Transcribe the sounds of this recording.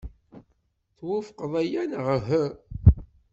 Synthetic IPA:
θwufqðˤæjænʁəɦə

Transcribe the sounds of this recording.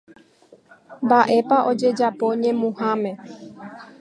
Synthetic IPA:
mbaʔe̞paʔo̞d͡ʒe̞d͡ʒapo̞ɲẽ̞mũhãmẽ̞

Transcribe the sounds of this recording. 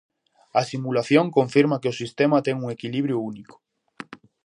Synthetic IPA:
ɐsimulaθjoŋkoɱfiɾmakeosist̪emat̪ɛŋuŋekiliβ̞ɾjouniko̥

